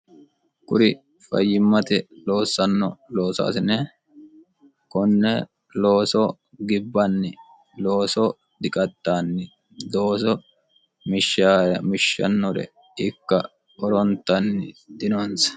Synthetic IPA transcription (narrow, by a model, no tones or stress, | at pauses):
kʼʊɾɪ | fɐ̰jːɪmːɐt̪ɛlo̞ːsːɐnːɔ̰lo̞ːsa̰ːsɪnɛ | kɔnːɛ | lo̞ːsɔ | ɡɪbːɐnːɪ | loːsɔ | d̪ɪkʼɐt̪ːaːnːɪ | d̪o̞ːsɔ | mɪʃːaɾɛmɪʃːɐ̰nːɔɾɛ̰ | ɪkːɐ | ɔɾɔnt̪ːɐnːɪd̪ɪnonsɐ̥